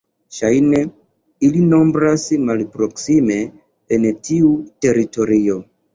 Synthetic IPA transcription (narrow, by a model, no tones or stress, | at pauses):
ʃajne | ilino̞mbɾasmalpɾo̞ksime̞ː | ntiute̞ɾito̞ɾio̞